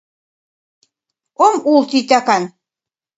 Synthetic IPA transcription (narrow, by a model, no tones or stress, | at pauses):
omulˠt̪it̪akan